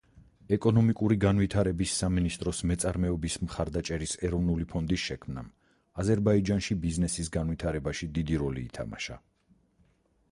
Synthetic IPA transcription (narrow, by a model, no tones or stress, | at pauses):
ɛkʼɔnɔmikʼuɾiɡanvit̪ʰaɾɛbisːaminist̪ʼɾɔsmɛt̪sʼaɾmɛɔbismχaɾd̪at͡ʃʼɛɾisɛɾɔvnulipʰɔnd̪isʃɛkʰmna̰m | azɛɾbaid͡ʒanʃibiznɛsis̬ɡanvwit̪ʰaɾɛbaʃid̪id̪iɾɔlḭːt̪ʰa̰ma̰ʃa̰